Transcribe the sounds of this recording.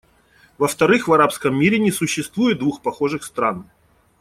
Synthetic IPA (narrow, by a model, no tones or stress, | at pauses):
vəft̪ɐɾɨxvɐɾapskəmːʲiɾʲɪnʲɪsʊɕːɪst̪vujʊt̪̚d̪vuxpɐxo̞ʐɨxst̪ɾan